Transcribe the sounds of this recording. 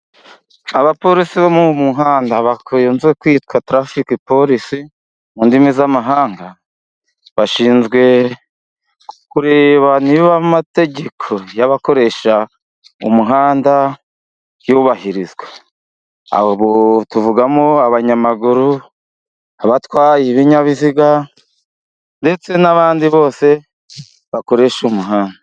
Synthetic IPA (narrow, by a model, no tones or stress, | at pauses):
aβapo̞ɾisiβomumuɦaːndaβakjoːnzwekwiːtkwatɾafikipo̞ɾisi | mundimizamaɦaːŋɡa | βaʃiːnzɡwe̞ | kuɾe̞βaniβamate̞ɟe̞kʰo̞jaβako̞ɾe̞ʃa | ṵmuɦaːnda | juβahiɾizwa | a̰βotuvuɡamoaβaɲamaɡuɾu | aβatwaːjiβiɲaβiziɡa | nde̞t͡se̞naβaːndiβo̞ːse̞ | βako̞ɾe̞ʃumuɦaːnda